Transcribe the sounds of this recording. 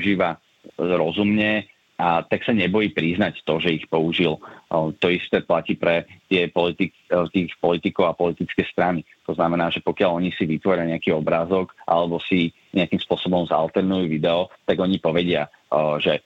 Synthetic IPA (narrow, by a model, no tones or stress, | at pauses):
uʒiːʋa | ɾɔzumɲɛ | at̪aksaɲɛbɔjiːpɾiznact̪ɔʒɛixpɔuʒilt̪ɔist̪ɛːplaciːpɾɛt̪ɪɛpɔlit̪i | t̪iːxpɔlit̪ikɔʊapɔlit̪it͡skɛːst̪ɾani | t̪ɔznamɛnaːʒɛpɔkɪalɔɲisiʋit̪ʋɔɾɪaɲɛakiːɔbɾaːzɔɡʔa̰lɛbɔsi | ɲʔɛakimspʊɔsɔbɔmza̰lˠt̪ɛɾnujuʋid̪ɛɔt̪aɡɔɲipɔʋɛɟɪa | ʒɛ